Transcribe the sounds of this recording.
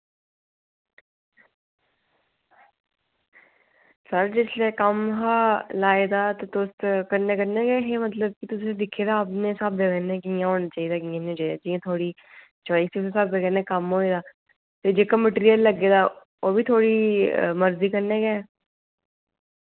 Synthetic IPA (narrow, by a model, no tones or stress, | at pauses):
səɾd͡ʒɪsleːkəmɦaːlaːeːd̪aːt̪eːt̪ost̪kəɾneːkəɾneːɡɛːɦeːmət̪ləb̚kɪt̪ʊsẽːd̪ɪkʰːeːd̪aːəpnẽːsabləɡɛːnẽːkijãːɦoːnaːt͡ʃaːiːd̪aːkiãːñːt͡ʃaːid̪aːd͡ʒiːãːt̪ʰoːɽiː | t͡ʃaːiːsisẽsaːbləɡɛːnẽːkəmɦoːeːd̪aː | t̪eːd͡ʒeːkaːməʈiːɾijəlːəɡeːd̪aː | oːbiːt̪ʰoːɽiːməɾziːkəɾneːɡɛː